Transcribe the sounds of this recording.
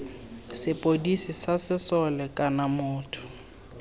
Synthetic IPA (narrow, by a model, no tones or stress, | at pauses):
sɪpʼodisisasɪsɔlɛkʼanamʊːtʰʊ̥